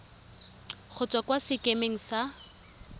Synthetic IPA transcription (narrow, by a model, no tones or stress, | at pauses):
χʰʊt͡sʼwakwasɪkʼemeŋ̩sa